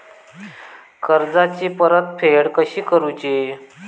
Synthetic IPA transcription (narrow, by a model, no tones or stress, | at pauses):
kəɾd͡zat͡ɕiːpəɾət̪̚fʰeɽkəɕiːkəɾut͡ɕe